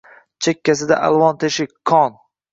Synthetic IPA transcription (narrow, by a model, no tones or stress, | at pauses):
t͡ʃʰekʲːasɪd̪a̰ʔalvɒnt̪ʰeʃɪkʰːɒn